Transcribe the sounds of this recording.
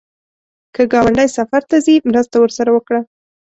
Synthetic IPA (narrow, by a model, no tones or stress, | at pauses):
kəɡɑwaɳɖajsafaɾt̪azimɾəst̪awəɾsaɾawəkɽa